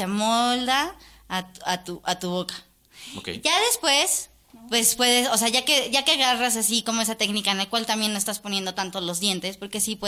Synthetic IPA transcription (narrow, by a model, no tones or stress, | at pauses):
semold̪aː | at̪uʔat̪uβo̞kḁ | okḛʝaðe̞spwe̞s | pwe̞spwe̞ðe̞so̞seaʝake̞ʝakeaɣaras̬asiko̞mo̞e̞sat̪e̞knikaenlakwalt̪amjenːoest̪aspo̞nje̞nd̪o̞t̪ant̪olo̞zðje̞nt̪e̞spo̞ɾke̞sipwe